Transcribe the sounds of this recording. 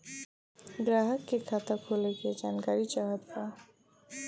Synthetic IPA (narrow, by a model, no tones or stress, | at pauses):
ɡɾaɦəkːekʰat̪akʰoleked͡ʒanɡaɾit͡ʃaɦad̪pa